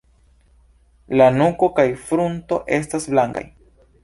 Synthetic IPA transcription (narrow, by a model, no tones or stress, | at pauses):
lanuko̞kajfɾunto̞ʔe̞s̬tasblaŋɡa̰j